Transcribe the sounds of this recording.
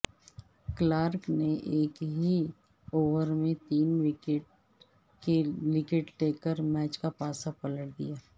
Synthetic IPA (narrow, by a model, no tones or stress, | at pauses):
klaːɾkneʔeːkɦi | oːʋəɾmẽt̪iːnʋɪkeʈ̚ | kewɪkeʈʈeːkːəɾmɛːt͡ʃkapaːsapɐləʈ̚d̪ḭjaː